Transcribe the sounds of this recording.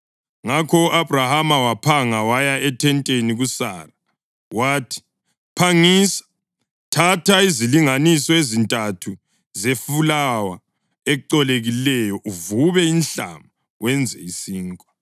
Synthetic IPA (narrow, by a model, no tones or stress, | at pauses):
ŋakʰɔuʔabrahamawapʰaŋawajaɛtʰɛntʼeniɣusa̰ːra | waːtʰi̥ | pʰaŋiːsḁ | tʰatʰaiziliŋanisɔezintʼatʰu | zefulawa | ɛǃɔleɣilɛjɔʔuvuβɛinɬa̰ma | wʔɛnd͡zʱɛisiːŋkʼḁ